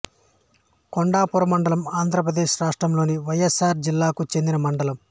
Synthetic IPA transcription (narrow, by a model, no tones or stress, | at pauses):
koɳɖaːpuɾɐmɐɳɖɐlɐmaːnd̪ʱɾɐp̬ɾɐd̪e̞ːʃɾaːʂʈɾɐmlo̞ːniʋɐjesaːɾd͡ʒilːaːkut͡ʃe̞nd̪inɐmɐɳɖɐlɐm